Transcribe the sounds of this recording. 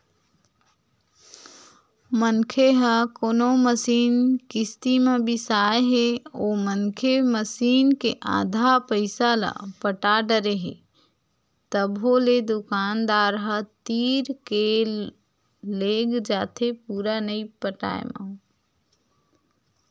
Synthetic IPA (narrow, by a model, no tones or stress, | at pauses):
mənkʰeɦəkoːnoməsiːnkɪst̪imẽbʱisaːeɦeoːmənkʰeməsiːnkeʔã̰ːd̪ʱapəɪsala̰pəʈaɖəɾeɦḛ | t̪əbɦoled̪ʊkaːnd̪aːɾɦət̪iːɾke | leːɡd͡ʒaːt̪ʰepuːɾanəipəʈa̰ːḛma̰